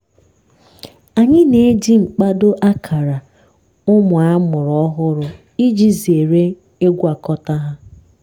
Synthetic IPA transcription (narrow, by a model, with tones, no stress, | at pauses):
a˨ɲɪ˦ne˦d͡ʒi˦ŋ͡m̩˨k͡pa˦do˦ʔa˦kʰa˨ɾa˨ | ʊ˦mʊ˨a˦mʊ˨ɾɔ˦ɦʊ˦ɾʊ˨ | i˦d͡ʒi˦zi˨e˨ɾe˦ | e˦ɡʷa˨kɔ˦ta˦ɦa˦